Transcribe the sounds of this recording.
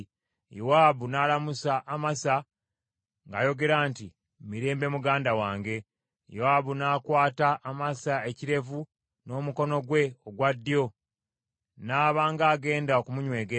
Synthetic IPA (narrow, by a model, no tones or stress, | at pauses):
jowaːβunaːlamusaʔːmasa | ŋɡa̰jo̞ɡe̞ɾaːnti | miɾe̞ːmbe̞muɡaːndawaːŋɡe̞ | jowaːβunaːkwaːtaʔːmasae̞ciɾe̞vu | no̞ːmuko̞no̞ɡwe̞oɡwadːijo̞ | naːβaːŋɡaːɡe̞ːndaokumuɲwe̞ːɡe